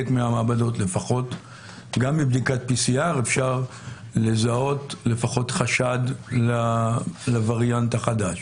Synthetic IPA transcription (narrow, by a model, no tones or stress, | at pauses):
etmeamaːbado̞tle̞faχo̞t | ɡamːibd̪ikat̚pisiaʁe̞fʃaʁ | le̞zao̞tle̞faχo̞t̪χaʃad̪lalavaʁjanthaχadaʃ